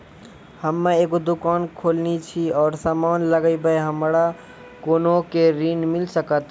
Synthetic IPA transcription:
həmːeeɡod̪ukaːnkʰolnit͡ʃʰiɔːɾsaːmaːnləɡəbəjɦəmɾa | koːnokeɾinmilsəkət̪

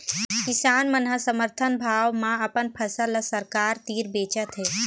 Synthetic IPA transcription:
kɪsaːnmənɦəsəməɾt̪ʰənbʱaːwmãɐpənpʰəsələsəɾkaːɾt̪iːɾbeːt͡ʃət̪ɦɛː

